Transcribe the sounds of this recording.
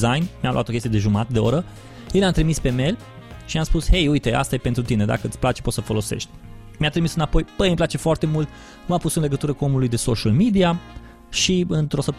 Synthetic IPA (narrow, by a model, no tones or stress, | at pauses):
zajnmjamlṵʔat̪okʲest̪jed̪e̞ʒumat̪əd̪e̞o̞̰ɾə | jeleamt̪ɾimispe̞me̞l | ʃimaspushe̞jujt̪e̞ʔa̰st̪ajepe̞nt̪ɾut̪ine̞d̪a̰kəɨt̪sʲplat͡ʃe̞pot̪səfo̞lo̞se̞̰ʃt̪̚ʲ | mjat̪ɾimisɨnapo̞jb̥əjmplat͡ʃe̞foart̪e̞mult̪ | umapusɨnle̞ɡət̪uɾəkuo̞mulujd̪e̞so̞ʃalmid̪ia | ʃiɨnt̪ɾo̞səp̚t̪